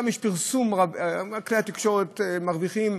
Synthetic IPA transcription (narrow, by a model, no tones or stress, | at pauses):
amjeʃpiʁsumʁabakleat̪ikʃo̞ʁet̪maʁviχim